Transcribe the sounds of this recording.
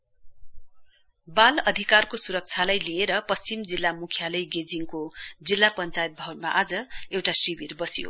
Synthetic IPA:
balʌd̪ʱikarkosuɾʌk̚t͡sʰalajlieɾʌpʌst͡simd͡zilːamukʰjalʌjɡed͡ziŋkod͡zilːapʌnt͡sajt̪̚bʱawnmaʔad͡zʌewʈasibirbʌsijo̰

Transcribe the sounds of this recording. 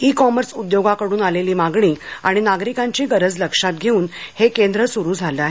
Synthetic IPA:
ikɔməɾsud̪joɡakəɽuːnaleliːmaɡɳiːa̰ɽ̃inaɡɾikãɲt͡ɕiːɡəɾəd͡zləkʂat̪̚ɡʱeuːnhekend̪ɾəsuɾuːd͡zʱalaɦe

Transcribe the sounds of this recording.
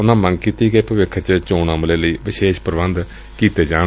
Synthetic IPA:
ʊnãːmə̃ŋɡkiːt̪iːɡəeːpəʋɪkʰːt͡ʃt͡ʃoːnəːmleːləiːʋɪʃeːʃpəɾʋənd̪ | kiːt̪eːd͡ʒaː

